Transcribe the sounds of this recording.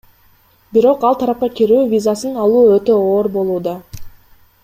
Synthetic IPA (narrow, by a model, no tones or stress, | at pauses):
biɾo̞qɑlˠt̪ʰɑɾɑp̚qɑkʲiɾyːvʲizasɯnɑlˠuːøt̪ø̞oːɾbo̞lˠuːd̪ɑ